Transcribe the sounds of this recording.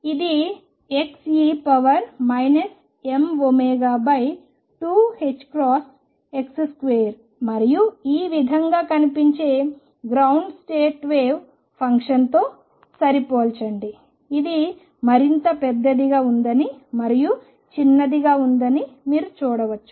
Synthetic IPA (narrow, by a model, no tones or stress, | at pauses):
id̪i | eksipɐʋɐɾmɐjnɐs | e̞mʋomeːɡaːbɐj | ʈuːhet͡ʃːkɾaːs | eksskʋeːɾ | mɐɾijuiːʋid̪ʱɐŋɡaːkɐnipiɲt͡ʃe̞ː | ɡɾɐwɳɖsʈeːʈʋeːw | pʰɐŋkʂɐnt̪o̞ː | sɐɾipoːlt͡ʃɐɳɖiː | d̪i | mɐɾint̪ɐpɛd̪ːɐd̪iɡaːund̪ɐnimɐɾiju | t͡ʃinːɐd̪iɡaːund̪ɐnimiːɾut͡ʃuːɽɐʋɐt͡ʃːu̥